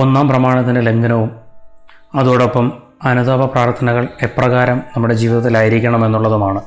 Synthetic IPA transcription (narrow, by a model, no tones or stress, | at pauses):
o̞nːaːmprɐmaːɳɐt̪ːindele̞ŋɡɐnɐʋum | ɐðoːɽopːɐm | ɐnuðaːbɐpraːrt̪ʰɐnɐɣɐɭe̞pːrɐɣaːɾɐmnɐmːuɽe̞d͡ʑiːʋiðɐt̪ːilaːjiɾikʲːɐɳɐme̞nːuɭːɐðumaːɳɨ